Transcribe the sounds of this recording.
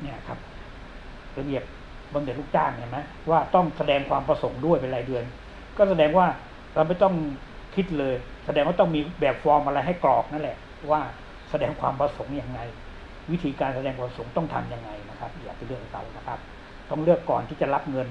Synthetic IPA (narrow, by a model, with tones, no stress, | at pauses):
ni˥˩ɐkʰa˦˥p̚ | la˧bi˨˩əp̚ | bɔː˧nɯ˧˩t̪̚luː˥˩k̚t͡ɕaː˥˩ŋna˧˩ma˦˥ | waː˥˩t̪ɔ˥˩ŋsa˧dɛː˧ŋkʰwaː˧mpɾa˧so˩˦ŋdu˥˩əjpe˧laː˨˦jdɯ˧ən | kɔː˥˩sa˧dɛː˧ŋwaː˥˩ | ɾa˧wma˥˩jt̪ɔ˥˩ŋ | kʰi˦˥t̪̚lɤː˧jsa˧dɛː˧ŋwaː˥˩t̪ɔ˥˩ŋmiː˧bɛː˨˩p̚fɔː˧mʔa˧ɾa˧jɦa˥˩jklɔː˨˩k̚na˥˩˨lɛ˨˩ʔʰ | waː˥˩ | sa˧dɛː˧ŋkʰwaː˧mpɾa˧so˩˦ŋja˧ŋːa˧j | wi˦˥t̪ʰiː˧kaː˧nsa˧dɛː˧ŋkʰaː˧so˩˦ŋt̪ɔ˥˩ŋt̪ʰa˧mja˧ŋːa˧jna˦˥kʰa˦˥p̚jaː˨˩k̚pa˧jlɯ˥˩ək̚ɾa̰˧wna˦˩kʰa˦˥p̚ | t̪ɔ˥˩ŋlɯ˥˩əkːɔː˨˩nt̪ʰiː˥˩t͡ɕa˨˩la˦˥p̚ŋɤ˧n